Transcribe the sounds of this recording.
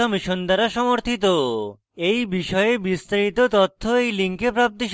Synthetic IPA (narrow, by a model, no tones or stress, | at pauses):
ɔmiʃond̪aɾaʃɔmoɾt̪ʰit̪o | ejbiʃɔeebist̪aɾit̪ot̪ot̪ʰːoejliŋkepɾap̚t̪iʃ